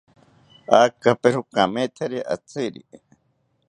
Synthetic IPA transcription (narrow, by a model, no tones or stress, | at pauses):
akapeɾukamet̪ʰaɾiʔa̰t͡siɾḭ